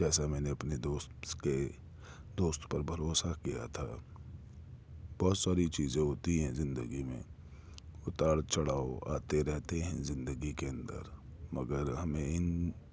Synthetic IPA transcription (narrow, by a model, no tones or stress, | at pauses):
d͡ʒɛːsamɛːneɐpned̪oːst̪ke | d̪oːst̪pɐɾbʱɐɾoːsakija̰t̪ʰa | b̥ɔːt̪saːɾit͡ʃiːzẽɦoːt̪iɦɛ̃zɪ̃nd̪əɡimẽ | ʊt̪aːɽt͡ʃɐɽaːoa̰ːt̪eɾɛɦt̪eɦɛ̃zɪ̃nd̪əɡikeɐ̃nd̪ə̰ɾmɐɡəɾɦɐmẽɪn